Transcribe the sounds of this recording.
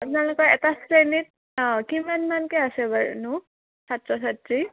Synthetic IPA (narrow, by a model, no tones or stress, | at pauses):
tnɛlʊkɔɛtasɹenit̚ | kimanmankeasɛbaɹṵnʊ | satɹɔs̬atɹi